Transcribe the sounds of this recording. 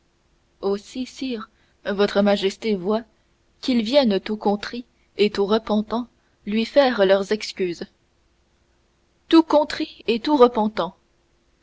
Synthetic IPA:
osisiːʁ | vɔt̪χəmaʒɛst̪evwa | kilvjɛnt̪ukɔ̃t̪χi | et̪uʁəpɑ̃t̪ɑ̃ | lɥifɛːʁlœʁzɛkskʲyːz | t̪ukɔ̃t̪χiet̪uʁəpɑ̃t̪ɑ̃

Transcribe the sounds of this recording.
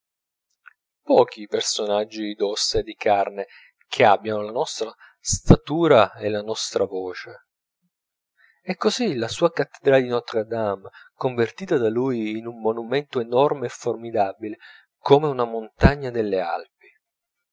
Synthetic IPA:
pɔːk̟ipersonad͡ʒːid̪osːed̪ikarne | k̟ʰeabjanolanɔst̪ɾa | st̪at̪uːɾaelanɔst̪ɾavɔːt͡ʃe | ɛkːozilasuːakat̪ːe̥d̪ɾaːd̪inɔt̪ːɾead̪amkoɱvert̪iːt̪ad̪aluːjːnumːonumɛnt̪oenɔrmeɛformid̪abile | komeunamont̪aɲːad̪elːea̰lp̚i̥

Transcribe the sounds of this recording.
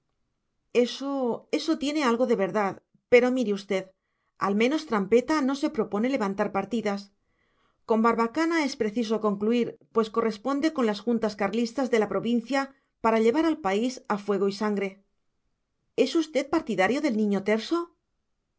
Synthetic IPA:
esoe̞so̞t̪je̞ne̞alɣo̞ðe̞β̞e̞ɾðað | pe̞ɾo̞miɾeust̪e̞ð | a̰lmẽ̞no̞st̪ɾampe̞t̪ano̞se̞pɾo̞po̞ne̞le̞βant̪aɾpaɾt̪iðas | ko̞mbaɾβakanae̞spɾe̞θis̬oko̞ŋkluiɾpwe̞sko̞re̞spo̞nd̪e̞ko̞nlasxunt̪askaɾlist̪azðe̞lapɾo̞βin̟θja | paɾaʎe̞β̞aɾalpaisafwe̞ɣ̞o̞isaŋɡɾe̞ | e̞sust̪e̞ð̚paɾt̪iðaɾjo̞ðe̞lnĩɲot̪e̞ɾso̞

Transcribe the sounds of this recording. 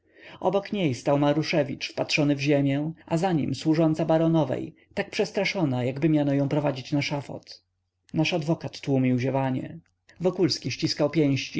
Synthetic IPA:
ʔɔbɔkɲejst̪awmaɾuʂɛvʲit͡ʂfpat̪ʂɔnɘvʑemʲjɛʔazaɲḭmswuʐɔnt̪sabaɾɔnɔvɛ̰j | t̪ak̚pʂɛst̪ɾaʂɔnajaɡbɘmʲjanɔjɔ̃w̃pɾɔvad͡ʑit͡ɕnaʂafɔ̰t̪ | naʂad̪vɔkat̪ːwumʲiwʑɛvaɲɛ̰ | vɔkulskʲiɕt͡ɕiskawpʲjɛ̃w̃ɕt͡ɕi

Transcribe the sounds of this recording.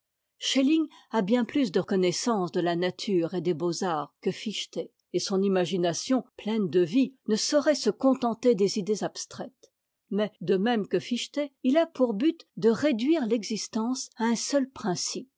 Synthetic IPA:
ʃeliŋabjɛ̃plysd̪əkɔnɛsɑ̃sd̪əlanat̪ʰyʁed̪ebozaːʁkəfiʃt̪e | esɔ̃nimaʒinasjɔ̃plɛnd̪əvinəsɔʁɛsəkɔ̃t̪ɑ̃t̪ed̪ezid̪ezapst̪χɛt̪ | mɛd̪əmɛmkəfiʃt̪eilapuʁbyt̪d̪əʁed̪ɥiʁlɛɡzist̪ɑ̃saɛ̃sœlpχɛ̃sip̚

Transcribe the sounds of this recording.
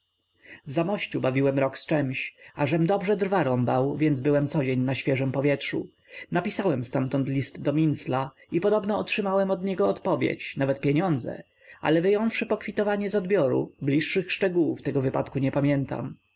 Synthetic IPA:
vzamɔɕt͡ɕubavʲiwɛmɾɔkst͡ʂɛmɕaʐɛmd̪ɔbʐɛd̪ɾvaɾɔmbawvʲjɛnzbɘwɛmt̪sɔd͡ʑeɲnaɕfʲjɛʐɛmpɔvʲjɛtʂṵ | napʲisawɛmst̪amt̪ɔnt̪lʲist̪d̪ɔmʲinsla | ipɔd̪ɔbnɔːtʂɘmawɛmɔd̪ɲɛɡɔːt̪pɔvʲjḛt͡ɕnavɛt̪̚pʲjeɲɔnd̪zɛ̰ | ʔa̰lɛvɘjɔ̃w̃fʂɘpɔkfʲit̪ɔvaɲɛzɔd̪bʲjɔɾṵblʲiʂːɘxʂt͡ʂɛɡuwuft̪ɛɡɔvɘpat̪kuɲɛpamʲjɛnt̪a̰m

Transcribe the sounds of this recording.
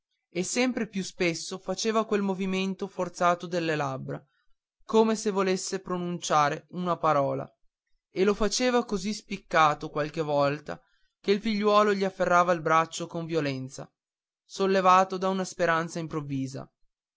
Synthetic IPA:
esːɛmpɾepjuspesːofat͡ʃeːvakwelmoviment̪ofort̪saːt̪od̪elːelabɾa | koːmesevolesːepɾonunt͡ʃaːɾeunapaɾɔːla̰ | elofat͡ʃeːvakozispikːaːt̪okwalk̟evɔlt̪a̰ | keilfiʎːwɔːloʎiafːerːaːvailbɾat͡ʃːokoɱvjolɛnt̪sa̰ | solːevaːt̪od̪aunaspeɾant̪saimpɾovːiːza̰

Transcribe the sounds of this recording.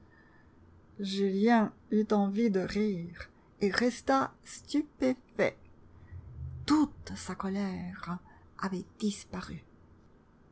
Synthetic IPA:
ʒyljɛ̃yt̪ɑ̃vid̪əʁiːʁ | eʁɛst̪ast̪ypefɛ̰ | t̪ut̪sakɔlɛʁ | avɛd̪̥ispaʁy

